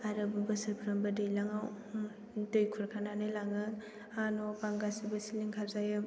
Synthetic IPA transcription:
aɾɯbɯbɯsɯɾpʰɾambadɯjlaŋaw | dɯjkʰuɾkʰananɯjlaŋɯ | anobaŋɡasibɯsiliŋkʰazajɯ

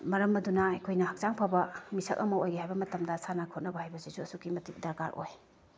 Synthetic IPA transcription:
mɐɾɐmɐdunɐɐjkʰojnɐhak̚zaŋpʰabɐmisɐk̚ɐmɐojɡeɦajbɐmɐtɐmdɐsanakʰot̚nɐbɐhajbɐsizuɐsukimɐtik̚dɐɾka̰ɾʔo̰j

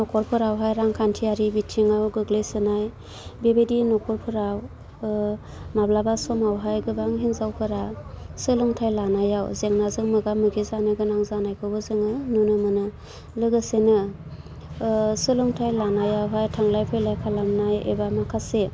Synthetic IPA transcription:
nɔkʰɔɾpʰɯɾawɦajɾaŋkʰantʰiaɾibitʰiŋawɡɯɡlejsɯnaj | bebedinɔkʰɔɾpʰɯɾaw | mablabasɔmawɦajɡɯbaŋɦiŋzawpʰɯɾasɯlɯŋtʰajlanajawzeŋnazɯŋmɯɡamɯɡizanɯɡɯnaŋzanajkʰɯbɯzɯŋɯnunɯmɯnɯ | lɯɡɯsenɯ | sɯlɯŋtʰajlanajawɦajtʰaŋlajpʰɯjlajkʰalamnajḛbamakʰase

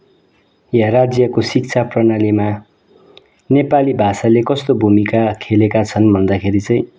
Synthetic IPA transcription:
jarad͡zjʌkosik̚t͡sʰaprʌnalima | nepalibʱasalekʌst̪obʱumikakʰelekat͡sʰʌnbʱʌnd̪akʰeɾit͡sʌj̃

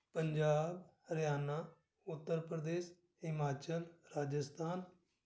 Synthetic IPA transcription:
pəɲd͡ʒaːbɾɪjaːnaː | ʊt̪ːəɾpɾəd̪eːʃ | ɦɪmaːt͡ʃəlɾaːd͡ʒəst̪ʰaːn

